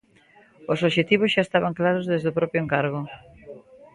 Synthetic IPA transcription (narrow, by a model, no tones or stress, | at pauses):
osoʃet̪iβ̞osʃaest̪aβaŋklaɾozðezðopɾɔpjoeŋkaɾɣo